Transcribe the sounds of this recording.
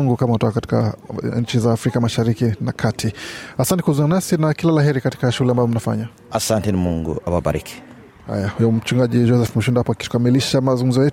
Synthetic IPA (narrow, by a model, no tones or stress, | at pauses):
ŋɡukamautɔkakati̥ka̰ɲt͡ʃizaːfɾikamaʃaɾikinakʰatʰiasantɛkuzuannasinakilalaɦɛɾikati̥kaʃuulɛambaɔm̩nafa̰ɲa | asantɛnimuŋɡṵababa̰ɾḭki̥ | ha̰jahujɔm̩t͡ʃuŋɡaʄid͡ʒɔsɛfmuʃundapɔakitu̥kamiliʃamazuŋɡum̩zɔjɛt